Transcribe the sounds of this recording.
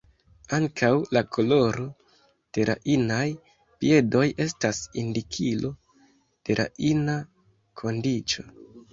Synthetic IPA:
aŋkʰawlakʰo̞lo̞ɾo̞ | d̥e̞ɾa̰ʔinaj | pie̞do̞je̞stasindikʰilo̞ | d̥e̞ɾa̰ʔina | kʰo̞ndit͡ʃo̞

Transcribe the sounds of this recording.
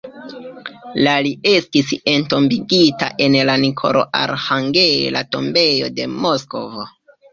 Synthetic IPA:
laliestise̞nto̞mbiɡita̰ʔe̞nlanikʰo̰ɾo̰ʔa̰ɾhaŋɡe̞lato̞mbe̞jo̞̰de̞mosko̞vo

